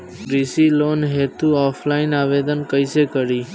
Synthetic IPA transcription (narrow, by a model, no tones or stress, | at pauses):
ɾisilonɦet̪uɔfʰlainaʋed̪ənkəjsekəɾi